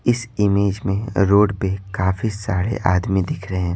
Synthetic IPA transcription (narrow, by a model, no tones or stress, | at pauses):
ɪsɪmeːd͡ʒmẽɾoːɖpekaːfisaːɾḛʔaːd̪mid̪ɪkʰɾɐɦeɛ̃ː